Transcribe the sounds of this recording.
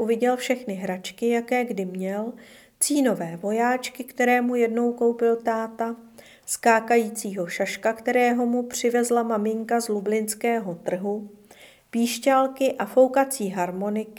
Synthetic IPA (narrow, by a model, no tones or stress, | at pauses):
ʔuvɪɟɛlfʃɛxnɪɦɾat͡ʃkɪjakɛːɡdɪmɲɛl | t͡siːno̞vɛːvo̞jaːt͡ʃkɪkt̪ɛɾɛːmujɛdno̞wko̞wpɪlt̪aːt̪a | skaːkajiːt͡siːɦo̞ʃaʃkakt̪ɛɾɛːɦo̞mupr̝̥ɪvɛzlamamɪŋkazlublɪnskɛːɦo̞t̪r̩ɦu | piːʃcalkɪʔafo̞wkat͡siːɦaɾmo̞nɪk